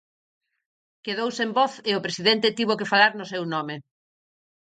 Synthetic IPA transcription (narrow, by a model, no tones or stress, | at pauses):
keðowsembɔθɪʊpɾesiðɛnt̪ɪt̪iβokefalaɾnʊsewnɔme